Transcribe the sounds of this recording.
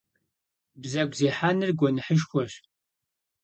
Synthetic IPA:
bzɐɡʷziːħaːnɨrɡʷɔnɨħəʃxʷɔɕ

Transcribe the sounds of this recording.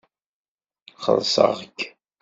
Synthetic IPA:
χə̰ðsə̰ʁkː

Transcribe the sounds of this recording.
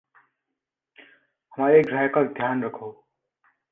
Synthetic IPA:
hʌmaɾeɡɾajkad̪ʱjanɾʌkʰoː

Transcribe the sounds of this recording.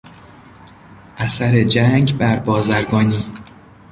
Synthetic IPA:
ʔæsæɾe̞d͡ʒæŋɟbæɾbɒːzæɾɡɒːniː

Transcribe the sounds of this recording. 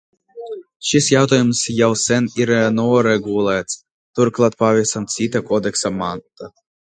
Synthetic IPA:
ʃisjawt̪aːjumsjawsɛniɾnɔɔɾɛɡulˠɛːt̪s | t̪uɾklˠat̪̚pavʲiɛsamt̪sʲit̪akɔd̪ɛksamant̪a

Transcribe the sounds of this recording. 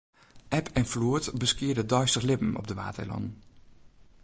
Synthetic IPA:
ʔɛpʰɛnfluətbəskɪːɹdədœɥstəχlɪpən̩ɔ̰b̚dəʋa̰ːtə̰lɑ̰n

